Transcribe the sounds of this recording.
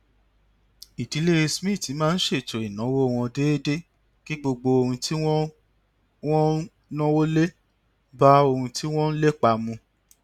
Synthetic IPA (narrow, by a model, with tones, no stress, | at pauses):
i˨di˨˦le˦e˧smĩ˦˨ti˨˦mãː˦n̩˦ʃe˦˨t͡ʃo˨i˨nɔ̃˨˦wo˦˨w̃ɔ̃˧de˦e˦de˦ | ki˦ɡ͡bo˧ɡ͡bo˧o˧ɾũ˧tʰi˦wɔ˦ | wɔ̃˦ | nɔ̃˦wo˦le˦ | ba˦o˧hũ˧ti˦w̃ɔ̃˦n̩˦le˦k͡pa˧mũ˧